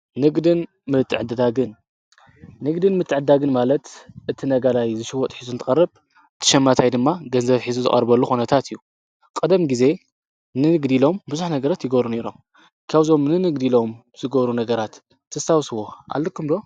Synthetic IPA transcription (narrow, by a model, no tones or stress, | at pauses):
nɨɡd̪ɨn | mɨt̪ʰːɨʕɨd̪ɨd̪aɡɨn | nɨɡd̪ɨnmɨt̪ʰːɨʕɨd̪aɡɨnmalɐt̪ʔɨt̪ʰinɐɡalajzɨʃɪwɔt̪ʼħizunt̪ʰɨkʼɐrːɨb | ɨt̪ʰɨ̥ʃɐmːat̪ʰajd̪ɨmːaɡɐnzɐβħizuzɨ̰χʼɐ̰ɾbɐlːuxunɐt̪ʰat̪ɨjːu | kʼɨd̪ɐmɡize̞ | nɨnɨɡd̪ilo̞mbɨzuħnɐɡɐɾat̪jɪɡɐβɾune̞ɾom | kʰaβzo̞mnɨnɨɡd̪ilo̞m | z̥ɨɡɐβɾunɐɡɐɾat̪ʰː | ɐsawswo̞ʔa̰lːɨkʰːɨmlo̞